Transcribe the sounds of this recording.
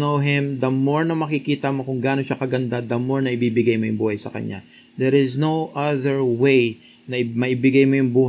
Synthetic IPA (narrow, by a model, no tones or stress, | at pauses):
nowɦɪ̃md̪ɐmoɹnɐmɐkɪkiːt̪ɐmo̞kʊŋɡaːnoʃakɐɡɐnd̪ad̪ɐmoɹnɐʔɪbiːbɪɡajmojʊŋbuːhɐjsɐkɐ̰ɲa̰ | d̪ɛɾɪznowʔaðɛɹwej | nɐɪmɐʔɪbɪɡajmo̞jʊŋbuːh